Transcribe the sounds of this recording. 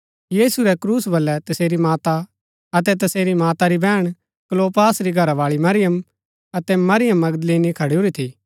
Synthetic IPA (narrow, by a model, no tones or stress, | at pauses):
jiːsuɾɛkɾuːsbɐlːɛt̪ɐseːɾimaːt̪a | ɐt̪ɛt̪̬ɐseːɾimaːt̪aɾibɛːɽ̃ | kloːpaːsɾiɡʱɐɾaʋaːɭimɐɾɪjəm | ɐt̪ɛmɐɾɪjəmːɐɡd̪leːnikʰɐɽiuɾit̪ʰiː